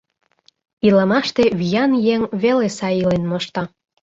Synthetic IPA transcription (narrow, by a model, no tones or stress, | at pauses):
ilɑmɑʃt̪eβijɑnjeŋβelesɑjilenmɤʃt̪ɑ